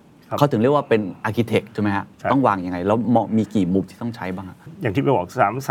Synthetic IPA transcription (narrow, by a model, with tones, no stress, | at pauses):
a˦˥wt̪ʰɯ˩˦ɾi˥˩əwaː˥˩pe˧nʔaː˧kʰi˧t̪ʰe˨˩k̚t͡ɕʰːma˦jkʰa˦˥ɔ˥˩ŋwaː˧ŋja˧ŋa˧jlɛː˦˥wmɔː˧miː˧kiː˨˩muː˧m̚t̪ʰiː˥˩t̪ɔ˥˩ŋt͡ɕʰa˦˥jbaː˥˩ŋʔa˨˩ja˨˩ŋt̪ʰiː˥˩a˧jbɔː˨˩k̚aː˩˦ms